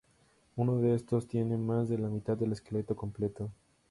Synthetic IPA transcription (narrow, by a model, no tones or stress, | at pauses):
unoðeest̪o̞st̪je̞ne̞mazðe̞lamit̪ad̪ðe̞leskele̞t̪o̞ko̞mple̞t̪o